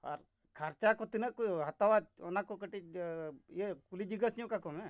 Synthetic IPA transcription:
a̰ɾ | kʰaɾt͡ʃakɔt̪inəʔkojɦat̪awat͡ʃɔnakɔkəʈit͡ʃijekulid͡ʒiɡəsjũkakɔmɛ

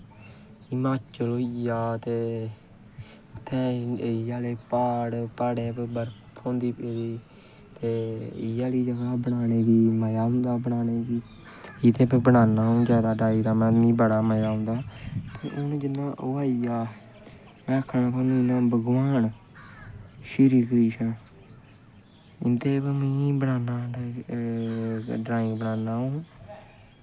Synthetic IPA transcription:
ɪmaːt͡ʃəloːijaːt̪eː | ʊt̪ʰːɛ̃ːɪjaːleːpaːɽpaːɽeːpːbəɾpʰõːnd̪iːpeːd̪iː | t̪eːɪjaːliːd͡ʒəɡaːbəɳ̃aːneːbiːməjaːɦʊ̃nd̪aːbəɳ̃aːneːbiː | it̪ẽːpebəɽaːnaːɦʊ̃nɡaːd̪aːɖaːiːɾaːmɛ̃ːĩːbəɽaːməjaːɦʊ̃nd̪aːt̪eːʔʊnd͡ʒɪnːãːʔʊaːiaː | mɛ̃ːəkʰːnãːkʰaːninãːbəɡʋaːn | ʃiɾiːkəɾiːʃən | ɪnt̪eːbəmĩːbəɽaːnaː | ɖɾaːɪ̃ŋɡbəɽaːnaːɦũː

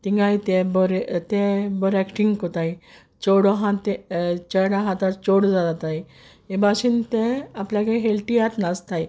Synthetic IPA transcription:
t̪iŋɡajt̪ẽbɔɾt̪ẽbɔɾɛkʈiŋɡkɔt̪ai | t͡ɕɔɽɔɦãt̪et͡ɕəɽaɦãt̪at͡ɕoɽd͡zad̪at̪aj | ebaɕint̪eapljakẽɦelʈiat̪nast̪aj

